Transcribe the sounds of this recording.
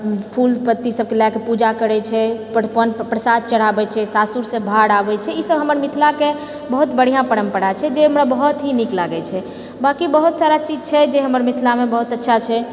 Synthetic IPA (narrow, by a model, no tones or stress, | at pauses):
pʰulpət̪ːisəb̚kelakepud͡ʒakəɾɛt͡ʃʰɛpəpənpɾəsad̪̚t͡ʃəɽ̤abɛt͡ʃʰɛsasuɾsẽbʱaɽabɛt͡ʃʰɛisəbɦəməɾmit̪ʰlake | bəɦut̪bəɽ̤ijãpəɾəmpəɽat͡ʃʰɛd͡ʒeɦəmɾabəɦut̪ɦiniklaɡɛt͡ʃʰɛ | bakibəɦut̪saɾat͡ʃid͡ʒt͡ʃʰɛd͡ʒeɦəməɾmit̪ʰlamebəɦut̪ətːʃʰat͡ʃʰɛ